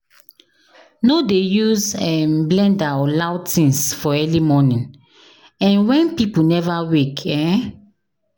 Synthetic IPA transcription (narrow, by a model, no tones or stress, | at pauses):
nodejuzɛmblɛ̃ndaɔlawtĩnsfɔɛlimɔnĩn | ɛ̃nwɛ̃npipunɛvawekʰɛ̃